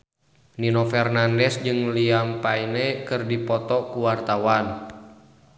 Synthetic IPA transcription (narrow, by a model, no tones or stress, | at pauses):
ninofɛrnandɛsd͡ʒɨŋliampainɛkɨrdipɔt̪ɔkuwart̪awan